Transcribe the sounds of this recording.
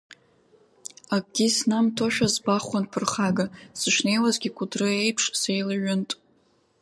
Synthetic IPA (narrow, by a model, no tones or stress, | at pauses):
ak̚ʼɡʲisnamtʰoʃᶣazbaχʷanpʰɨrχaɡasɨʃne̞jwazɡʲikʷʰʼʊdrɨe̞jpʰʂsejlaɥʊntʼ